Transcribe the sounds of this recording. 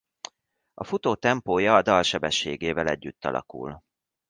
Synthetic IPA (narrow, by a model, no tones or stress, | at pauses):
ɒfut̪oːt̪ɛmpoːjɒːd̪ɒlʃɛbɛʃːḛːɡeːvɛlɛɟːyt̪ːɒ̰lʔɒ̰kṵl